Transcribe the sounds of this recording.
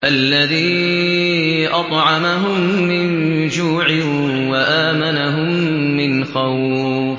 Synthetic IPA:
ʔalːaðiː | ʔɑt̪ˤʕɑmaɦʊmːɪn | d͡ʒuːʕɪ | waʔaːmanaɦʊmː | ɪnxaw

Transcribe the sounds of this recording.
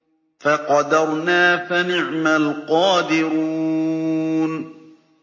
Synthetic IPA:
faqɑd̪ɑɾˤnaːfanɪʕmalqɑːd̪ɪɾuː | n

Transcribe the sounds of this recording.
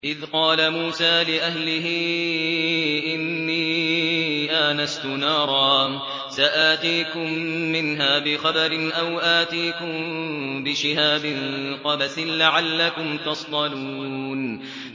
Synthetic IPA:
ʔɪðqɑːlamuːsaːlɪʔahlɪɦɪ | ʔɪnːiː | ʔaːnast̪ʊnɑːɾˤɑː | saʔaːt̪iːkʊmːɪnɦaːbɪxabaɾɪnʔawʔaːt̪iːkʊmbɪʃɪɦaːbɪnqɑbaθɪnlaʕalːakʊmt̪ɑsˤd̪ˤɑluːn

